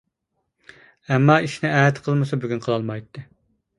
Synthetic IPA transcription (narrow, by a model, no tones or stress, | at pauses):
ɛmːɑiʃnɪæːɛt̪qʰəlˠmɨsɑbyɡʲynqʰəlˠɑlˠmɑjt̪ːɨ